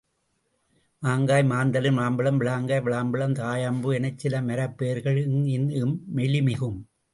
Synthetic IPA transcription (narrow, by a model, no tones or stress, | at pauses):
maːŋɡaːjmaːnd̪ɐlɯmaːmbɐɭɐmʋɪɭaːŋɡaːjʋɪɭaːmbɪɭɐmt̪aːjaːmbɯɛnɐt͡ʃsɪlɐmɐɾɐpːeːɾɣɐɭŋɪnɯmːɛɭɪmɪɣɯm